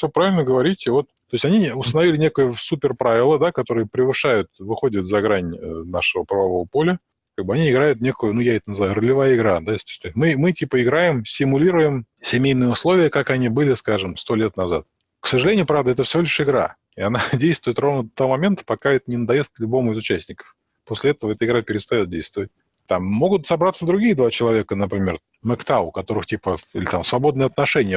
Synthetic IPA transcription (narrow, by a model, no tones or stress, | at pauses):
fsʲopɾavʲɪlʲnəɡəvɐɾʲitʲɪvo̞t̪̚t̪o̞jɪsʲtʲɐnʲiʊst̪ənɐvʲilʲɪnʲe̞kəjʊsupʲɪrpɾavʲɪlˠəd̪akɐt̪o̞ɾɨjəpɾʲɪvɨʂajʊt̪vɨxo̞dʲət̪zɐɡɾanʲənaʂɨvəpɾəvɐvo̞vəpo̞lʲə | kaɡ̚bɨɐnʲiɪɡɾajʊt̪nʲe̞kʊjʊnujaɛt̪ənəzɨvajʊɾəlʲɪvajəɪɡɾad̪asʲt̪o̥sʲt̪osʲmɨmɨtʲipəɪɡɾajɪmsʲɪmʊlʲiɾʊjɪmsʲɪmʲejnɨjəʊslˠo̞vʲɪjəkakɐnʲibɨlʲɪskaʐɨmst̪o̞lʲe̞t̪nɐza̰t̪̚ | ksəʐɨlʲenʲɪjʊpɾavd̪əɛt̪əfsʲɪvʲo̞lʲɪʂɪɡɾa̰ | ɪɐnadʲejst̪vʊɪt̪ro̞vnəd̪t̪ɐvomɐmʲe̞nt̪ə̥pɐkaɛt̪ənʲɪnəd̪ɐjest̪̚klʲʊbo̞mʊɪzʊt͡ɕæsʲnʲɪkə̥f | posʲlʲɪɛt̪əvəɛt̪əɨɪɡɾapʲɪɾʲɪst̪ɐjo̞t̪̚dʲejst̪vəvət̚ʲ | t̪amːo̞ɡʊt̪sɐbɾat̪səd̪ɾʊɡʲiːəd̪vat͡ɕɪlˠɐvʲe̞kənəpɾʲɪmʲer | mɛkt̪aʊkɐt̪o̞ɾɨxtʲipəḭlʲɪt̪amsvɐbo̞d̪nɨjəɐt̪nɐʂɛnʲɪjə